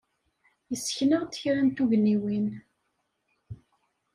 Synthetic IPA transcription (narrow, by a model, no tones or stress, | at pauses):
jəsːçnəʁt̪ə̥çɾænt̪uʝənːiwin